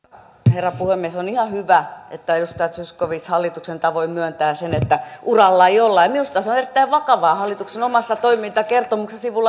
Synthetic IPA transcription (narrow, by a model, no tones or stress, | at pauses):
herːɑpuhemːiesonihɑhyʋæet̪ːæjust̪ɑjɑt̪syskoʋit̪shɑlːit̪uksent̪ɑʋoimyønt̪æːsenet̪ːæʔurɑlːɑeiolːɑjɑmiust̪ɑsonerit̪ːæiʋʋɑkɑʋɑːhɑlːit̪uksenomɑsːɑt̪oimint̪ɑkert̪omuksesiʋulːɑ